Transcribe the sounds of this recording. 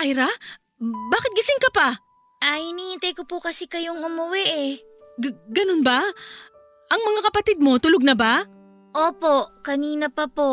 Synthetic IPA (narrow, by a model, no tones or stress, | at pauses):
ʔajɾa | baːkɪt̪̚ɡɐsɪŋkɐpa | ʔɐhɪniːhɪnt̪ɐjkopukɐsikɐjoŋʊmɐwɛʔɛ | ɡɐnonba | ʔɐŋmɐŋakɐpɐt̪ɪd̪̚mo̞t̪ʊloɡ̚nɐba | ʔoːpo̞ʔkɐniːnɐpɐpo